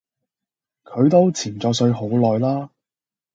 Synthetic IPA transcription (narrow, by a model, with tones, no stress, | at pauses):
kʰɵ˨˧ɥt̪o˥wt͡sʰiː˨˩nt͡sɔː˨˧ksɵ˨˧ɥɦo˨˥wlɔː˨jlaː˥